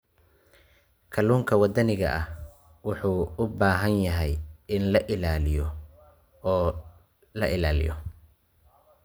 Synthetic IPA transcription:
kʰɐluːŋkʰɐwɑd̪ɐnɪɣɐʔɐh | wʊħuːʊbaːɦɐnjɐɦɛjɪnlɐʔɪlaːlɪjɔ | ɔː | lɐʔɪlaːlɪ̰jɔ̰

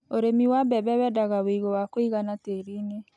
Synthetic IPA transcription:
oɾemiwabɛβɛwɛdaɣaweiɣowakoiɣanateɾiːne

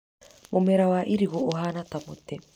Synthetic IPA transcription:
momɛɾawaʔiɾiɣooɦanatamotɛ

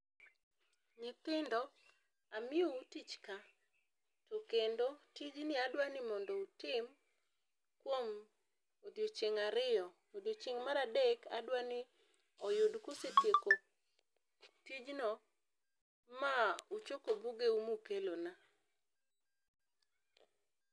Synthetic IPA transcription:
ɲɪkɪndɔ | amɪɔutit͡ʃka | tokendotid͡ʒnɪadwanɪmɔndɔutɪm | kwom | od̪jot͡ʃeŋaɾɪjɔ | od̪jot͡ʃeŋmaɾadeka̰dwanɪ | ɔjodkoseteko | tid͡ʒnɔ | maut͡ʃokobuɡeumukelona

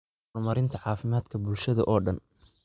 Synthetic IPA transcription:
mɐɾɪnt̪ʰɐʕɑːfɪmaːd̪kʰɐbʊlʃɐðɐʔɔːɖɐn

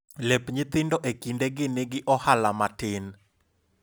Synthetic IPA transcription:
lɛpɲɪt̪ɪndɔʔekindeɡɪnɪɡɪʔɔhalamatɪn

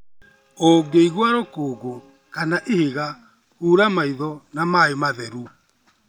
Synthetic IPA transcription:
oɡeiɣwaɾokoːɡo | kanaʔeheɣa | huːɾamaiðɔnamaemaðɛɾu

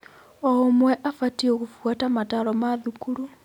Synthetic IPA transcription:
omwɛʔafatiokufuwatamataɾɔmaðukuɾu

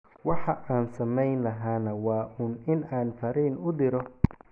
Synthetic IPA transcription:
wɑħɑʔaːnsɐmɛjnlɐɦaːnɐwɑːʔuːnɪnaːnfɐɾiːnʊd̪ɪɾɔ

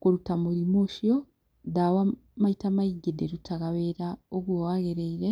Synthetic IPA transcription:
koɾutamuɾimuʃio | dawa | maitamaiɡedeɾutaɣaβeɾaoβowaɣeɾeiɾe

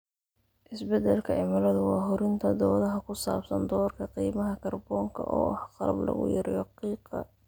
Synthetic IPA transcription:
ʔɪsbɛd̪ɛlkʰɐɪmɐlɔðʊwɑːɦʊɾɪnt̪ʰɐd̪ɔːðɐɦɐkʰʊsaːbsɐnd̪ɔːrkʰɐqiːmɐɦɐkʰɐrbɔːŋkʰɐ̰ʔɔ̰ːhqɑɾɐ̰blɐ̰ɣʊ̰jɐɾɪjɐqiːqɑ̰

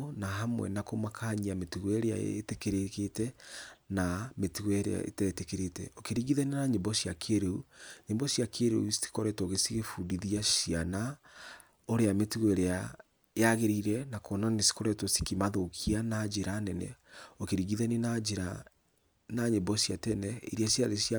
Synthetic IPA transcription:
naɦamwɛ̰nakomakʰaɲiametuɣwɛɾea̰ḛtekeɾeketɛnametuɣwɛɾḛa̰ḛtɛetekeɾetɛ̰okeɾiɣiðɛnenaɲembɔsiakʰeɾeuɲembɔsiakʰeɾeussi̥kɔɾɛtoɣesiɣefudiðiaʃiana | oɾeametuɣwɛɾea | jaɣeɾiɾɛnakonanesi̥koɾɛtosi̥kimaðokʰianad͡ʒeɾanɛnɛ̰okeɾiɣiðɛnenad͡ʒeɾa | naɲembɔsiatɛnɛḭɾiasiaðesia

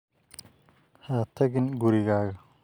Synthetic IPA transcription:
haːt̪ʰɐɣɪnɡʊɾɪɣaːɣɐ

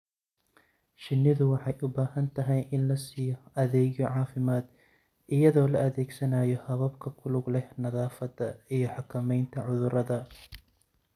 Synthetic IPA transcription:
ʃɪnːɪðʊwɑħɑjʔʊbaːhɐnt̪ʰɐɦɛjʔɪnlɐsiːjɔɐðɛːɣjɔʕɑːfɪmaːd̪ | ʔɪjɐðɔːlɐʔɐðɛːɡsɐnaːjɔhɐβɐbkʰɐkʰʊlʊɡlɛhnɐðaːfɐd̪ɐijɞħɑkʰɐmɛjnt̪ʰɐʕʊðʊɾɐðɐ

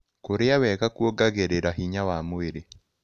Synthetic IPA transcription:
koɾeawɛɣakwoɡaɣeɾeɾaɦiɲawamoeɾe

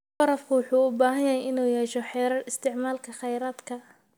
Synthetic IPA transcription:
wɐɾɐfkʰʊwʊħuːʊbaːɦɐjɐɦɛjɪnuːjɛːʃɔħɛːɾɐrɪst̪ʰɪʕmaːlkʰɐχɛjɾaːd̪kʰɐ

